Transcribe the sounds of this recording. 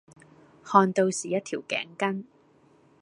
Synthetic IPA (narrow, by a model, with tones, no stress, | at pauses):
hɔː˧nt̪o˧wsiː˨˩jɐ˥t̚t̪ʰiː˨˩wkɛ̰ː˨˥ŋkɐ˥n